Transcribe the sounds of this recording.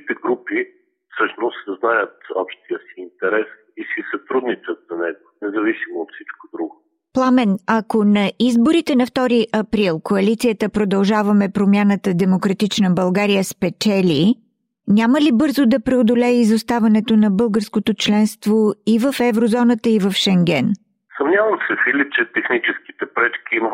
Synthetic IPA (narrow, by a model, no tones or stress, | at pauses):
it̪ɛɡɾupi | fsɤʃnost̪znajət̪ɔ̰pʃt̪ijəsiːnt̪ɛɾɛs | isisɐt̪ɾud̪nit͡ʃət̪zɐnɛɡonɛzɐvisimoːt̪fsit͡ʃkod̪ɾuɡo | plˠamɛnɐkonɐizboɾit̪ɛnɐft̪ɔɾiʔɐpɾilˠkoɐlit̪sijət̪əpɾod̪ɐlˠʒavɐmɛpɾomʲjanət̪əd̪ɛmokɾɐt̪it͡ʃnəbɐlˠɡaɾijəspɛt͡ʃɛlʲi | nʲaməlibɤɾzod̪ɐpɾɛod̪olʲɛizost̪avɐnɛt̪onɐbɤlˠɡəɾskot̪ot͡ʃlɛnst̪voivɐfɛvɾozɔnət̪əivɐfʃɛŋɡʲɛn | sɐmnʲavɐmsɛfilʲit͡ʃɛt̪ɛxnit͡ʃɛski̥t̪ɛpɾɛt͡ʃkʲiimə